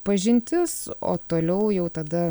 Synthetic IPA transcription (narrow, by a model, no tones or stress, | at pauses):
pɐʒʲɪnʲt̪ʲɪso̰ːt̪oːlʲɛʊjɛʊt̪ɐd̪ɐ